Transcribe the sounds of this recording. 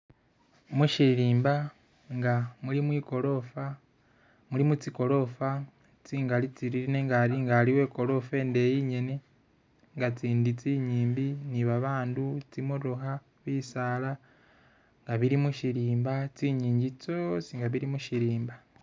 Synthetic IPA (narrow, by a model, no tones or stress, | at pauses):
muʃiɾiːmba | ŋɡamulimwiːko̞lo̞fa | mulimut͡siko̞lo̞fa | t͡siːŋɡalit͡siɾiɾineŋɡaɾiŋɡaliwe̞ːko̞lo̞fe̞ːnde̞jiɲene | ŋɡat͡siːndit͡siːɲiːmbiniβaβaːndut͡simuɾoɦa | βiːsaːla | ŋɡaβiɾimuʃiɾiːmbat͡siɲiːɲɟit͡sosiŋɡaβiɾimuʃiɾiːmba